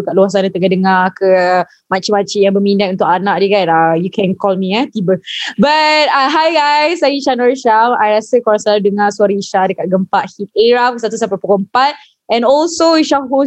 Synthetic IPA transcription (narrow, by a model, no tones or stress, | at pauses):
kat̪̚luas̬anat̪əɡadəŋakə | mãt͡ʃimãt͡ʃijãŋbəmĩndat̪̚unt̪ʊkanaʔdəɡanajukʰɛ̃nkɔlmĩət̪ibəbat̪̚aɦajɡajsajiʃanɔɹʃamajɾasəkɔɾasaladəŋaswaɾiiʃadəkat̪̚ɡəmpaʔhit̪̚eɹafsat̪̬usapapəkɔəmpat̪̚ | ɛ̃nɔlsoiʃaɦo